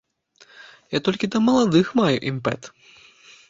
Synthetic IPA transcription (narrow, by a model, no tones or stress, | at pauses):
jat̪ɔlʲkʲid̪ɐmɐlˠad̪ɨxmajṵʔimpɛ̰t̪